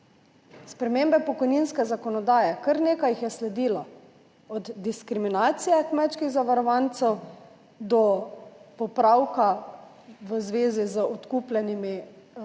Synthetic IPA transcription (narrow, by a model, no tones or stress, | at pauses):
spɾɛmeːmbɛpɔkɔjniːnskɛzakɔnɔd̪aːjɛkəɾneːkajixjɛslɛd̪iːla | ɔd̪d̪iskɾiminaːt̪sijɛkmɛtt͡ʃkiɣzaʋaɾɔʋaːnt̪sɛw | d̪ɔpɔpɾawka | ʋəzʋeːzizəɔt̪kuːplʲɛnimi